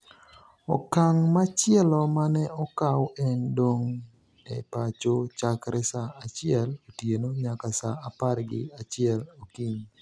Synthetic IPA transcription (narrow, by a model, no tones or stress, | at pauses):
ɔkaŋmat͡ʃɪɛlɔmanɛɔkawɛndoŋ | ɛ̰pat͡ʃot͡ʃakɾɛsaːt͡ʃɪɛlotjenoɲakasaaparɡɪ̰at͡ʃɪɛlokiɲ